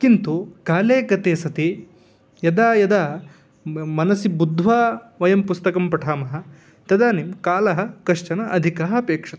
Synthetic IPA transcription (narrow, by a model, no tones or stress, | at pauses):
kint̪uɡ̥aːleːɡɐt̪eːsɐt̪i | jɐd̪aːjɐd̪aː | mɐnɐsibud̪ʱʋaːʋɐjɐmpust̪ɐkɐmpɐʈʰaːmɐɦɐ̆ | t̪ɐd̪aːnimkaːlɐɦɐ̆kɐʂt͡ʃɐnɐʔɐd̪ʱikɐɦɐpeːkʂɐt̪ɐ̥